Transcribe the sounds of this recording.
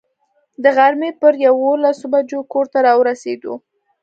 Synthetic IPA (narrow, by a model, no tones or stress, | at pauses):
d̪əɣaɾmepəɾjawolasobad͡ʒokoɾt̪aɾɑwɾased̪o̰